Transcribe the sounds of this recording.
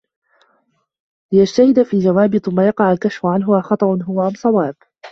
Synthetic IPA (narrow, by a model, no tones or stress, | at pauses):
lɪjad͡ʒt̪ahɪd̪afiːd͡ʒawaːbɪθʊmːajɑqɑʕalkaʃfʊʕanɦʊwaːxɑt̪ˤɑʔʊnɦʊwaʔamsˤɑwaːb̥